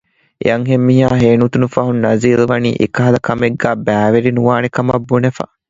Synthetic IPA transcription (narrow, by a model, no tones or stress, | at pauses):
ʔḛɐŋɦemːiɦaːɦeːnut̪unufɐɦunːɐziːluʋɐnḭːʔḛkɐɦɐlɐkɐmeɡːæːbæːʋeɾinuʋaːnekɐmɐbːunefɐ̰